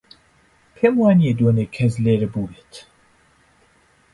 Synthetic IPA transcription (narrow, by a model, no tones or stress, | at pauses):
pʰeːmwaːnied̪oːnekʰɛzleːɾɨbuːlet̪ʰ